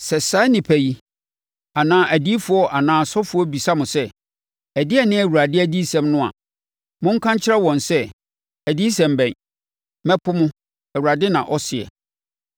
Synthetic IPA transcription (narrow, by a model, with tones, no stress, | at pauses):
sɛ˨sa˦nɪ̃˨pʰæ˨ji˦ | a˨nãː˨˦ʔæ˨di˦fʊ˨ɔ˦ʔa˨nãː˨˦sɔ˦fʊ˨˦ɔ˦bi˨sa˦mʊ̃˨sɛ˦ | ɛ˨dɪ˦ɛ˦nɪ̃˦æ˨wu˨ɾa˨dɪ˦æ˨di˦sɛ̃˦mnʊ̃˦a̰˨ | mʊ̃˦ŋ̩˦kʰã˦ɲ˦t͡ɕʰɪ˦ɾɛ˦wɔ̃˨nsɛ˦ | æ˨di˦sɛ̃˨mbɛ̃˨n | mɛ˦pʰʊ˦mʊ̃˦ | æ˨wu˨ɾa˨dɪ˦nã̰˨ʔɔ˦sɪ˨ɛ̰˨